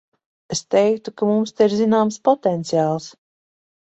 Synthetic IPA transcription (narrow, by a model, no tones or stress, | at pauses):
est̪ɛjkt̪ukamumst̪aiɾzinaːmspɔt̪ɛnt̪sijaːlˠs